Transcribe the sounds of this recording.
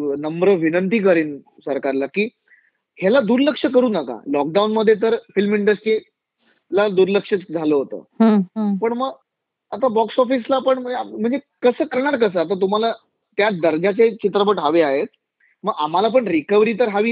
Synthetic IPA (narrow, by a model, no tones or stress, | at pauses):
nəmbɾəʋinənt̪iːk̬əɾiːn | səɾkaɾlakiː | hjalad̪uɾləkʂəkəɾuːnəka̰lɔk̚ɖaunməd̪ʱːjet̪̬əɾfilmiɳɖəsʈɾi | lad̪uɾləkʂət̪d͡zʱaləːɦot̪ə̰ːɦpəɳməɡ | at̪abɔksɔfis̬lapəɳməm̤əɳd͡ze | kəsəːkəɾɳaɾkəs̬əːat̪̬at̪̬um̤ala | t̪jad̪əɾd͡ʑat͡set͡ɕit̪̬ɾəpəʈɦaʋeaɦet̪̚ | məɡam̤alap̬əɳɾikəʋɾiːt̪̬əɾɦaʋiː